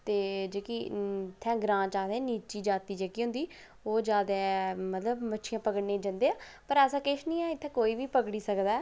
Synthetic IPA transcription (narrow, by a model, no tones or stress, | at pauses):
t̪eːd͡ʒeːkiːt̪ʰːɛ̃ːɡɾãːt͡ʃaːd̪eːniːt͡ʃiːd͡ʒaːt̪iːd͡ʒeːkiːɦʊ̃nd̪iː | oːd͡ʒaːd̪eːmət̪ləbmətːʃʰijãːpəkəɽneːd͡ʒə̃nd̪eːaːpəɾɛːsãːkɪʃnĩːɛːɪt̪ʰːɛ̃ːkoːiːʋiːpəkɽiːsəkd̪aːɛː